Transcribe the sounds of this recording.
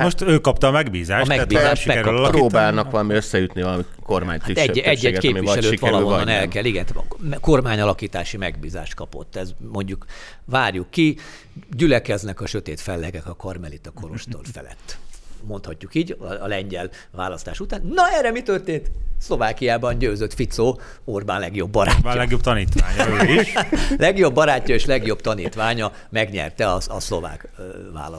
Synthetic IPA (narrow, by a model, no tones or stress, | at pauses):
moʃt̪øːkːɒp̚t̪ɒːmɛɡbiːzaːʃɒmɛbiːzaːʃimɛɛɾkːlɒlpɾoːbaːlnɒkkʋɒlɒmiøsːɛjyt̪nivɒlɒmi | korma̰ːɲt̪hait̪ɛeːɛɟːtkeːpiʋiiʃɛlløːiʋɛɾlɒɦoonɛlkɛliɡɛnt̪mko̞rmaːɲɒlɒkiːt̪aːʃimɛɡbiːza̰ːʃt̪̚kɒpo̞̰t̪ːɛzmo̞ɲɟuk | vaːrjukːi | ɟylɛkɛznɛkɒʃøt̪eːt̪fɛlːɛɡɛkɒkɒrmɛlit̪ɒko̞ɾo̞ʃt̪o̰rfɛ̰lɛ̰t̪ːmo̞nt̪hɒcːukiːɟːlɛɲɟɛl | ʋa̰ːlɒst̪aːʃut̪aːnnɒɛːrːɛmit̪ørt̪eːnt̪slo̞vaːkijaːbɒnɟøːzøt̪fit̪soː | orbaːnlɛɡjo̞bːɒɾa̰ːlɛɡjob̚t̪ɒniːt̪ʋaːɲilɛɡjo̞bːɒɾaːcːɒeːʃlɛɡjo̞bt̪ɒniːt̪ʋaːɲɒ | mɛɡɲɛ̰rt̪ɛɒɒslo̞va̰ːk | va̰ːlɒ